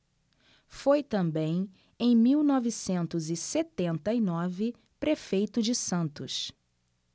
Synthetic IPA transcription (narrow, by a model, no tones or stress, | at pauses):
fojt̪ɐ̃mbẽj̃ | ẽj̃miwnɔvisẽnt̪ʊzɪset̪ẽnt̪ɐinɔvɪ | pɾefejt̪ʊd͡ʒɪsɐ̃nt̪ʊs